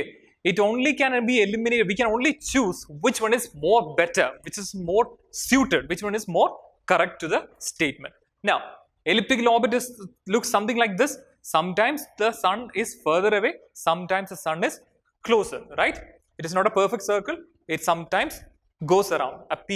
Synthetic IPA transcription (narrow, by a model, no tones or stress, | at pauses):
ɪʈõːnlikæ̃nbiːelɪmɪneːʈɖʋiːkɛ̃nõːnlit͡ʃuːzʋɪt͡ʃʋʌ̃nɪzmoːɾbɛʈə̰ɾʋɪt͡ʃɪzmoːɾ | sjuːʈeɖ̚ʋɪt͡ʃʋʌ̃nɪzmoːɾ | kɐɾɛk̚ʈːuðəsʈeːʈ̚mə̰̃ɳʈ | naʊ | ɛlɪp̚ʈɪkəlɔːɾbɪʈ̬ɪslʊksːʌ̃mt̪ɪ̃ŋlaɪk̚d̪ɪsː | ʌ̃mʈãɪ̃msd̪əsʌ̃nɪzfəɾðəɾɐʋeːsʌ̃mʈãɪ̃msd̪əsʌ̃nɪz̥ | kloːsə̰ɾɾaɪʈ | ɪʈɨznɔːʈəpəɾfɛk̚ʈsəːɾkɨl | ɪʈsʌ̃mʈãɪ̃ms | ɡoːsəɾã̰ʊ̃ɳɖɐp